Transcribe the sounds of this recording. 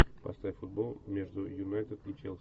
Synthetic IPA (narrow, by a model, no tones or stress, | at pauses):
pɐ̰st̪aɪfʊd̪̚bolˠmʲeʐd̪ʊjʊnajt̪ət̪it͡ʃelˠs